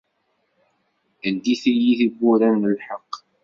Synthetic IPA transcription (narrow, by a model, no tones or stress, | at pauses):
ənd̪iθijiθibːʊɾænːəlħɑqː